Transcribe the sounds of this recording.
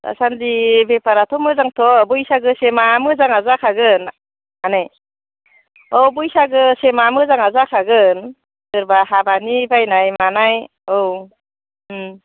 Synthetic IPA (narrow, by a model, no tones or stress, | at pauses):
ta̰sandibepaɾatʰɔmɯzaŋtʰɔbujsaɡɯsemamɯzaŋazakʰaɡɯn | anaj | ɔbujsaɡɯsemamɯzaŋazakʰaɡɯn | dɯɾbaɦabanibajnajmanaj | ow